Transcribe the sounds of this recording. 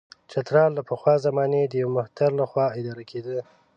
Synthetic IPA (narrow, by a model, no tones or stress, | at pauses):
t͡ʃat̪ɾɑlːapəxwɑzamɑned̪əjawmʊht̪aɾlaxwɑɪd̪ɑɾakʰed̪ə